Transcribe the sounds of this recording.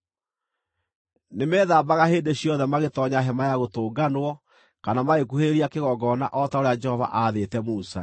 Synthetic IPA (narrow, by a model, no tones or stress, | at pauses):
nemɛːðaːbaɣaɦeːndeɕjɔðɛmaɣetɔɲaɦɛmajaɣotoːɡanwɔ | kanamaɣekuheɾeɾiakeɣɔɡɔna̰ʔɔtaoɾead͡ʒɛhɔva̰ʔaːðetɛmusa̰